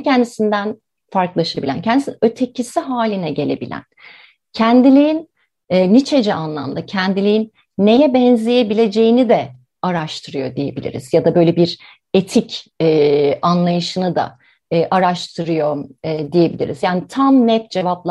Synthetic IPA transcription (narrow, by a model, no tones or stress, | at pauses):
cʰɛnd̪isind̪æn | faɾklˠaʃabilʲæ̰ncʰɛnd̪isinøt̪ʰe̞cʰisiɦaːlʲinɛɟe̞lʲe̞bḭlʲæ̰n | cʰɛnd̪ilʲiinː | nit͡ʃʰe̞d͡ʒɛanlˠa̰md̪acʰɛnd̪ilʲiinː | e̞jɛbɛnzʲije̞bilʲe̞d͡ʒe̞jinid̪ɛ | aɾaʃt̪ʰɯɾɯjo̞̰d̪ije̞bilʲḭɾḭzjad̪abø̞jlʲebiɾ | et̪ʰicɛanlˠajɯʃɯnɯd̪a̰ː | ʔaɾaʃt̪ʰɯɾɯjo̞mːd̪ije̞bilʲḭɾḭzjaːnit̪ʰamnɛft̪̚d͡ʒevaplˠ